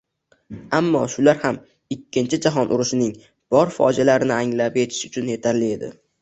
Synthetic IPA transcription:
amːɒ̰ʃʊlaɾham | ɪkʲʰːɪnt͡ʃʰɪd͡ʒaɦɒnʔʊɾʊʃɪnɪŋ | b̥ɒɾfɒ̰d͡ʒalaɾɪnɪaŋlape̞t̪ʰɪ̥ʃʊt͡ʃʰʊnje̞t̪ʰaɾlɪe̞d̪ɪ̰

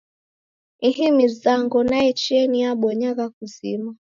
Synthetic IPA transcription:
ihimizaŋɡɔnaɛt͡ʃiɛniaɓwɔɲaɣak̚uzima

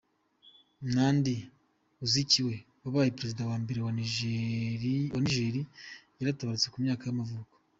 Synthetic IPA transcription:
naːndi | uziciwe̞ | βaβaːjipɾe̞zidawaːmbe̞ɾewa | waniʒeːɾijaɾataβaɾut͡se̞kumɲaːkajamavuːko̥

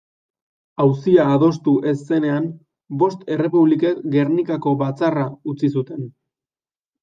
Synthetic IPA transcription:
awsiaːð̞o̞s̬t̪uʔe̞sːe̞ne̞am | bo̞st̪e̞re̞puβ̞likeɡe̞ɾnikako̞βat͡saraut͡sisut̪e̞n

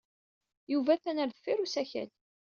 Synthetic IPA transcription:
juvæθænəɾðəfːiɾusæçæ̰l

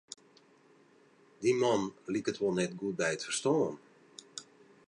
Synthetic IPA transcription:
dimɔnlikətʋolˠnɛtɡuət̚bɛjətfərstɔːən

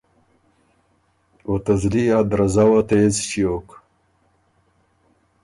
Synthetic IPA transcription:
ot̪ɐzliad̪ɾɐzawɐt̪ezt͡ɕijok

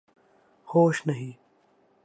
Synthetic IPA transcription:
hoːʃnɐɦĩː

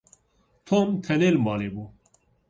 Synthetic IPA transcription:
t̪ʰont̪ʰɛnelmɑːleːbu

